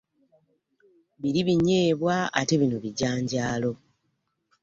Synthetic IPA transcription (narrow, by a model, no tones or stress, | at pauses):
βiɾiβiɲe̞ːβwaa̰te̞βinuβiɟaːɲɟaːlo̞